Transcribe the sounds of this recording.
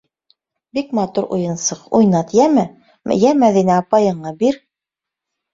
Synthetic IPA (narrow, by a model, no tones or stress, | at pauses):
bikmɑt̪uɾʔṵjɤ̆nsɤqṵjnɑt̪jæmɘ | m̰jæmæðinæːpɑjɤ̆ɴɑbiɾ